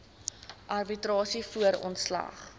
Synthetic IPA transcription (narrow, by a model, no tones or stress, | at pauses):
ʔɐrbitrɑːsifuəɾɔ̰ntslɐ̰χ